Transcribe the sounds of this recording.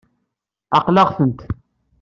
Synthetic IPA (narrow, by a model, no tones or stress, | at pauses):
ɑqlɑʁθənt̪